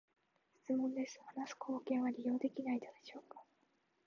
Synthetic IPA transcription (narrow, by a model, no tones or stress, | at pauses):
ɕɨ̥i̥t͡sɨmõ̞nd̪e̞sɨ̥hanasɨ̥kʰo̞ːkẽ̞ɰ̃β̞aɾʲijo̞ːd̪e̞kʲinaid̪od̪e̞ɕo̞ːkḁ